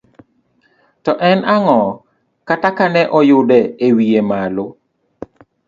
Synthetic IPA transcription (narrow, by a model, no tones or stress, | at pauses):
tɔʔɛnaŋɔ | katakanɛʔɔjʊdɛewiemalo